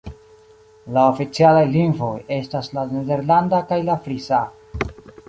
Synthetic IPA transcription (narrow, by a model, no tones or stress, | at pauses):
laofit͡sialajliŋɡvo̞je̞staslanede̞ɾlandakajlafɾisa